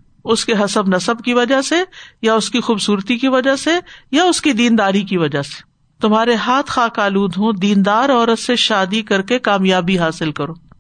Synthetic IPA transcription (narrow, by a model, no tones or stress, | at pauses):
ʊskeɦɐsəbnɐsəb̚kiʋɐd͡ʒasejaʊskixuːbsuːɾt̪ikiʋɐd͡ʒasejaʊskid̪iːnd̪aːɾikiʋɐd͡ʒase̥ | t̪ʊmɦaːɾeɦaːt̪ʰxaːkaːluːd̪ɦõd̪iːnd̪aːɾɔːɾət̪seʃaːd̪ikɐɾkekaːmjaːbiɦaːsɪlkɐɾoː